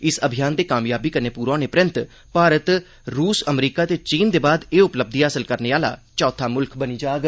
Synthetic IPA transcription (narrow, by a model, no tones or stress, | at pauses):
ɪsəbʱijaːnd̪eːkaːmjaːbiːkəɾneːpuːɾãːnepɾɪ̃nt̪ | paːɾət̪ | ɾuːsəmɾiːkaːt̪eːt͡ʃiːnd̪eːbaːd̪eːʊpləb̚d̪iaːsəlkəɾneːaːla̰ːt͡ʃɔːt̪ʰaːmʊlkʰbəniːd͡ʒaːɡ